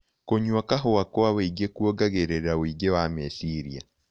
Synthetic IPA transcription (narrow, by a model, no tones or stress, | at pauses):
koɲwakaɦoakwaweiɡekuoɡaɣeɾeɾaoiɡewamesiɾia̰